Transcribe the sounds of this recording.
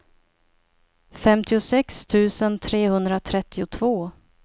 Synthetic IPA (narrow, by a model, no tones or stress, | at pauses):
fɛmt̪ɪʊsɛkst̪ʰʉ̟ːsənt̪ʰɾeːhɵnd̪ɾat̪ʰɾɛt̪ːɪʊt̪ʰvoː